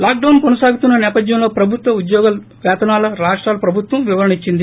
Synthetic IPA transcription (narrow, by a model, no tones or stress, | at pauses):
laːk̚ɖɐwnkonɐsaːɡut̪unːɐnɛːpɐd̪jɐmlo̞ːpɾɐbʱut̪ʋɐud̪jɔːɡɐl | ʋaːt̪ɐnaːlɐɾaːʂʈɾaːlɐpɾɐbʱut̪ʋɐmʋiʋɐɾɐnit͡ʃːind̪i